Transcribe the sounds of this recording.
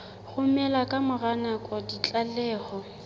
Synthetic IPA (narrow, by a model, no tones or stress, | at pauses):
ɣʊmɛlakʼamʊranakʼɔdit͡ɬʼalɛːɣɔ